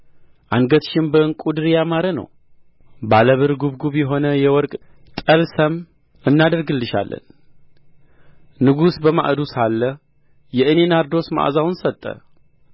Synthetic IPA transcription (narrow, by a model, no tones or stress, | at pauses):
ʔanɡət̪ʃɪmbəŋkʼud̪ɨɾjamaɾənə̰w | baləβɨɾɡuβɡuβjɛɦo̞nəjɛwɔɾkʼ | t̪ʼəlsəm | ɨnːad̪əɾɡɨlːɨʃa̰lːə̰n | nɨɡusbəma̰ʔd̪usalːə | jɛʔɨne̞naɾd̪o̞sma̰ʔzawnsət̪ʼːə̰